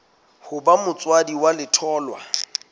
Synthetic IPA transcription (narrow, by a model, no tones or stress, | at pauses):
hʊbamʊt͡sʼwadiwalɪtʰɔːlwa